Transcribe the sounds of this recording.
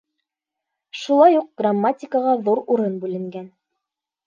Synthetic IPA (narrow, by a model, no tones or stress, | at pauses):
ʃulˠɑjuq̚ɡ̥ramːatʲɪkəʁɑðuɾuɾɤnbʉlɘ̆ŋɡæn